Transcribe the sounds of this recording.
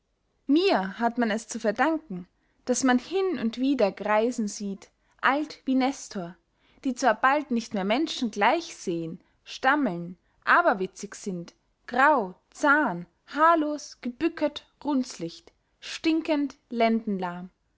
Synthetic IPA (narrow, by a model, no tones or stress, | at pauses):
miːɐhatmanɛst͡sufɛɐdaŋkŋ̩ | d̥asmanhɪnʊntv̥iːdɐɡʁaɪzn̩ziːt | ʔaltv̥iːnɛstʰoːɐ | d̥iːt͡sv̥aːɐbaltnɪçtmeːɐmɛnʃn̩ɡlaɪçz̥eːən | ʃtaml̩n | ʔaːbɐvɪt͡sɪçz̥ɪnt | ɡ̥ʁaʊ | t͡saɐn | haːɐloːsɡ̥əb̥ʏkʰətɡ̥ʁʊnt͡slɪçt | ʃtɪŋkəntlɛndn̩laɐm